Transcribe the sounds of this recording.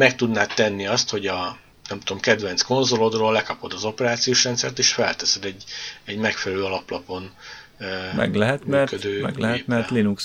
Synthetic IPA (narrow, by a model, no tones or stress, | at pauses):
mɛk̚t̪ud̪naːt̪ːɛnːiɒst̪ho̞ɟɒ | nɛmt̪uo̞mkɛd̪vɛnt̪sko̞nzo̞lod̪roːlːɛkɒpo̞d̪ɒzo̞pɛɾaːt̪sijoːʃrɛnt̪sɛrt̪eːʃfɛlt̪ɛsɛd̪ɛɟːɛɟmɛkfɛlɛløːɒlɒplɒpo̞n | mɛ̰ɡlɛɦɛt̪mmyɛrkød̪øːmɛɡlɛɦɛmɛrlinuks